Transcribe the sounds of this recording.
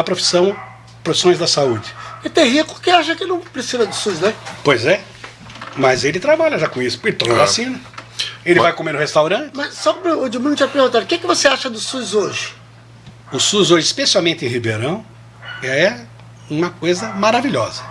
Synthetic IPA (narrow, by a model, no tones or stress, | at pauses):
ɐpɾofi̥sɐ̃w̃ | pɾofi̥sõj̃zd̪ɐsaud͡ʒɪɛt̪eɦikʊ̥kɪaʃɐkɪnɐ̃w̃pɾesizɐd̪ʊsuznɛ̃pojzɛ | mɐzelɪt̪ɾabaʎɐʒakõisʊ̥elɪt̪ɔavasĩnɐelɪvajkomenʊhest̪awɾɐ̃t͡ʃɪmɐssɔkõmʊːd͡ʒimĩd̪ʊt͡ʃiɐpɾeɾɣɡũt̪aɾʊkekɪvoseaʃɐd̪ʊsuzoʒɪ̥ | ʊsuzoʒɪːspesiawmẽnt̪ɪẽhibeɾɐ̃w̃ | ɛɛ | ũmɐkojzɐmaɾaviʎɔzɐ